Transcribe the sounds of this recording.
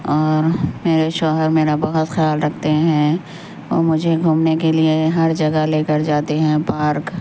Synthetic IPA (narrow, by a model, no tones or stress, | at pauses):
ɔːɾmeːɾeʃɔːɦəɾmeːɾabɐɦʊt̪xjaːlɾɐk̚ʰt̪eɦɛ̃ | ʋoːmʊd͡ʒʱeɡʱuːmnekelieɦɐɾd͡ʒɐɡəleːkəɾd͡ʒaːt̪eɦɛ̃paːɾk